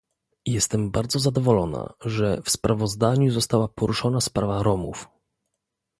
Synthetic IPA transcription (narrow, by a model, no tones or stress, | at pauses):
jɛst̪ɛmbaɾd̪zɔzad̪ɔvɔlɔna̰ʐɛfspɾʔavɔzd̪aɲuzɔst̪awapɔɾuʂɔnaspɾavaɾɔmṵf